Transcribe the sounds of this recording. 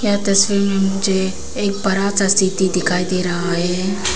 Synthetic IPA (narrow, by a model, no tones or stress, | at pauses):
kjaːt̪ɐsʋiɾmẽmʊd͡ʒʱeː | k̚bɐɾasast̪it̪id̪ɪkʰaːid̪eːɾɐɦaɦɛ